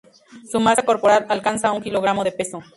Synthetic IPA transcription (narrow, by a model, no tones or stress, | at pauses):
sumasako̞ɾpoɾaɾalkansauŋkiloɣ̞ɾamo̞ðepe̞so